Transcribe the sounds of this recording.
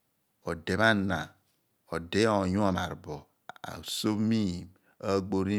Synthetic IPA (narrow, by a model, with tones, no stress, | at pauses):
o˨de˨βa˦na˨ | o˨de˦o˨ju˦a˨ma˨ɾbo˨ | a̰˨so˦mi˦˨ | a˦ɡ͡bo˦ɾi˦